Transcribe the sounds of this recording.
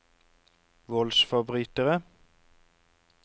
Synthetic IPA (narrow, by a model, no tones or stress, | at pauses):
ʋɔlsfɑbʁyːt̪əʁə